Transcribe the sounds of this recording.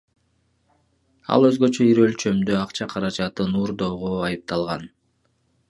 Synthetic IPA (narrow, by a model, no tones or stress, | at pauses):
ɑ̰lˠøzɡø̞t͡ʃø̞iɾø̞lt͡ʃø̞md̪øɑqt͡ʃɑqʰɑɾɑd͡ʒɑt̪ɯnuɾd̪o̞ːʁoɑjɯp̚t̪ɑlˠʁɑn